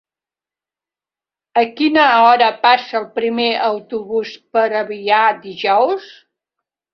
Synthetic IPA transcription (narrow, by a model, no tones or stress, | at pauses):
əkinəɔɾəpasəːlˠpɾimeʔəwt̪uβuspəɾəβiad̪iʒɔws